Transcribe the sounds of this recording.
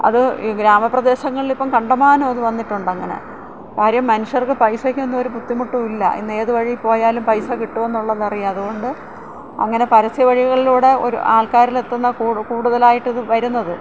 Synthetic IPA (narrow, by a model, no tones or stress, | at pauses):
ɐ̰ðɨɡɾaːmɐprɐd̪e̞ːɕɐŋːɐɭilipːɐmkɐɳɖɐmaːnɐmɐðɨʋɐnːiʈːuɳɖɐŋːɐne̞̰ | kaːɾjɐmːɐnuʂjɐrkɨpɐjsɐkʲːenːmo̞ɾuput̪ːimuʈːumilːɐ̰ʔḭnːe̞ːðɨʋɐɻipo̞ːjaːlumpɐjsɐkiʈːume̞nːuɭːɐðɐrijɐɐðuɣo̞ɳɖɨ | ɐ̰ŋːɐne̞pɐɾɐsjɐʋɐɻiɣɣɐɭiluːɽe̞o̞̰ɾṵʔaːlkaːɾile̞t̪ːunːɐukuːɽuðɐlaːjiʈːɐðɨʋɐɾunːɐðɨ